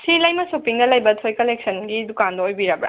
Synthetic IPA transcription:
silɐjmɐsopiŋdɐlɐjbɐtʰojkɐlek̚sɐnɡidukanbɐojbiɾɐbɾa̰

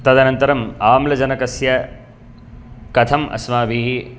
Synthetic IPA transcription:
t̪ɐd̪ɐnɐnt̪ɐɾɐmaːmlɐd͡ʒɐnɐkɐsjɐ | kɐt̪ʰɐmʔɐ̰smaːbʱiːɦi

